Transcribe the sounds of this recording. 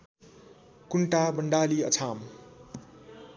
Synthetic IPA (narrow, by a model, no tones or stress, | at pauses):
kuɳʈabʌɳɖaːliʌ̰t͡sʰam